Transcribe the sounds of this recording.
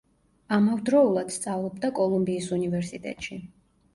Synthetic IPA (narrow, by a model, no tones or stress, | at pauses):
amavd̪ɾɔulˠad̪̥st̪sʼavlˠɔbd̪akʼɔlˠumbiːsunivɛɾsit̪ʼɛ̰t̪ʼʃi